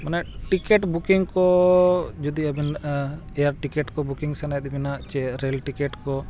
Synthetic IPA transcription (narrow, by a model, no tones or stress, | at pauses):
manaʔʈikɛʈbukiŋkɔ | d͡ʒud̪iabin | ɛaɾʈikɛʈkɔbukiŋsɛnajt̪binaʔt͡ʃɛɾɛlʈikɛʈkɔ